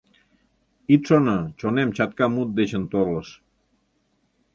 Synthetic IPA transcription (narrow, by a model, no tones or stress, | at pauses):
it̪ʃonət͡ɕonemt͡ɕɑt̪̚kɑmut̪̚d̪et͡ɕənt̪oləʃ